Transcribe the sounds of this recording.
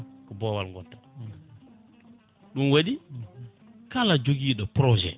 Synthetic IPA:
kubɔwalŋɡɔtːa | ɗunwaɗi | kalad͡ʒoɡiːɗɔpɾɔʒɛ̰

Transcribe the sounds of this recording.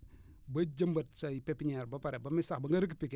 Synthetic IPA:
bad͡ʒambatsaipepiɲaɾbapaɾebamisakbaŋɡaɾik̬ipik

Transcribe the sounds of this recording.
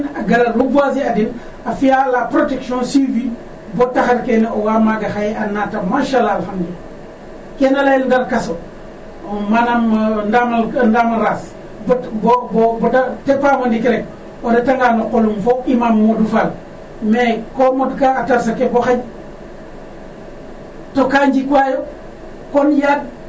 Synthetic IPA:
naɡalalubuasiadin | afijalapɾotekʃõnsivi | botaxaɾkeneowamaɡaxajanːatamaʃalːalxamdi | kenalajilndalkaso | manamndamandamalɾas | bbobobdatepamandikeɾek̚ | oɾetaŋɡanoqolumfoʔimamːodufal | mekomodukaːtaɾsakeboxaɲ | tokaɲd͡ʒikajo | konjad̚

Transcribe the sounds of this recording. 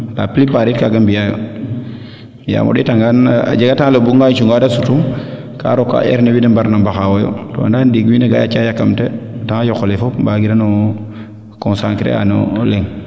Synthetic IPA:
la̰plipaɾitkaɡambijajo̰ | ja̰mʔo̰ɗitaŋɡana̰d͡ʒeɡataŋlobuŋɡajt͡ʃuŋɡaːdasutuŋ | ka̰ɾokːa̰ʔḛɾnewinembaɾnambaxawojo̰to̰ndandiɡwineɡa̰jat͡ʃajakamtetaŋajokolefopbaɡidano | konsaŋkɾḛa̰no̰leŋ

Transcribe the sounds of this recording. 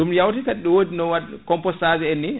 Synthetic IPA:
ɗumjawtikaɗɗiwodinɔwakɔmpɔsazɛɛnːi

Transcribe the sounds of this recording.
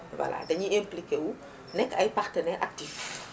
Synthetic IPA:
wɐ̰la̰dɐɲiɛmplikewu | nɛkːɐjpartənɛːʔak̚tif

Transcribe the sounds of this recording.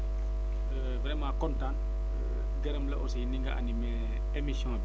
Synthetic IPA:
ə | vɾɛmãkɔ̃ntãnt | ɡeɾɛmlɐʔosiiniŋɡa̰ʔa̰nime | emisjɔ̃b

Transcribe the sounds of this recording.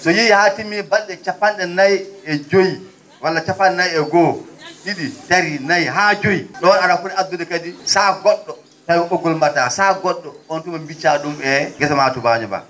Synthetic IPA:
sɔjijihatimiɛbalɗɛt͡ʃapːanɗɛnajɛd͡ʒoji | walːat͡ʃapːanɗɛnajɛɡɔɗiɗitaɾinajɦaːd͡ʒojiɗɔnaɾafuɾɛad̪ːudɛkadisaɡɔɗːɔ | tajɔɓɔɡɔlmbatasaɡɔɗːɔɔntumambit͡ʃaɗumɛɡɛsamatubaɲɛba̰

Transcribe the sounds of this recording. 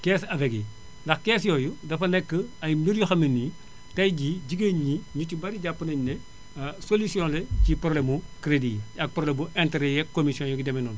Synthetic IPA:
kɛːsɐvɛɡḭ | ndɐxkɛːsjɔːjudɐfɐnɛkːəɐjmiɾjuxɐminːi | tɐjɟiɟiɡeɲɲiɲucibɐɾiɟapːənɐɲnɛ | solusijɔ̃lecipɾolɛmukɾediɐk̚pɾolɛmbuʔɛnteɾɛjɛkːomisjɔ̃njɔɡidɐminɔn

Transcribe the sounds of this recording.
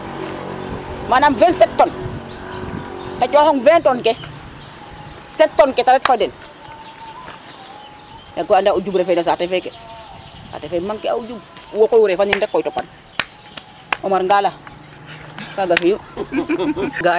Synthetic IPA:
manamvɛnsɛtːɔn | tat͡ʃohɔŋvɛntonke | sɛtːɔnkɛtaɾɛtfaden | jaɡoandauɟubɾefenas̬atefɛkɛ | sa̰tefemaŋkea̰ud͡ʒub | wokojuɾefaɲindɛkːɔjtopːan | ɔmaɾŋɡala | kaɡafiju | ɡa

